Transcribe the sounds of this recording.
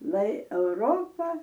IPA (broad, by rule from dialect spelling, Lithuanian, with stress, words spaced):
lˠɐɪ ɛʊˈroːpɐ